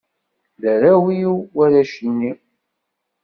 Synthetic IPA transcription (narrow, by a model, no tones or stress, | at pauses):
ðəɾæwiwæɾæʃinːi